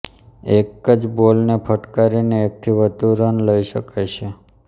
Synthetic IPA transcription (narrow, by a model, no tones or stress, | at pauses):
ekəd͡ʒbolnepʰəʈkaɾineːk̚t̪ʰiʋət̪uɾənləiʃəkajt͡ʃʰe